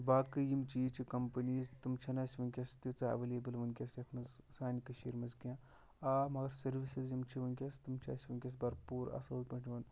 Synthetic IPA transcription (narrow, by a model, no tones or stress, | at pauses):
baːkɨjimt͡ʃiːt͡ʃʰikɐmpɐniːzt̪ɨmt͡ʃʰɐnaːsʲiʋɐnkʲɐst̪it͡saɐ̰ʋeleːbɐlʋɐnkʲɐsjɐt̪ʰmɐzsaːnikɐʃiːɾmɐzɡjãː | amɐɡɐɾsɐɾʋisizjimt͡ʃʰiʋɐnkʲɐst̪ɨmt͡ʃʰɐ̰ːsʲiʋɐnkʲɐs̬bɐɾpuːɾɐ̰sɐupɐɳʈʰiʋɐn